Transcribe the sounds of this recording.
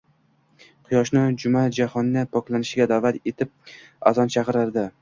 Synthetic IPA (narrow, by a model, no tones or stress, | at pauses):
qʰʊjɒʃnɪd͡ʒʊmad͡ʒahɒnːɪpʰɒkʲlanɪʃɪɡʲad̪avat̪e̞t̪ʰɪp̚a̰zɒnt͡ʃʰɑqɨɾaɾd̪ɪ